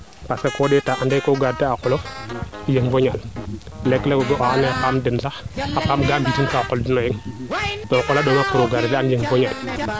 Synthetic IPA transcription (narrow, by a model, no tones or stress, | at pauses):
paskakoɗetaʔandekoɡad̚teakulojeŋvoɲal | lekːlekoɡoʔoaneapamdɪnsaapamɡambitinkaːkoldinojeŋtokolaɗonakuɾoɡaɾtanjeŋvoɲal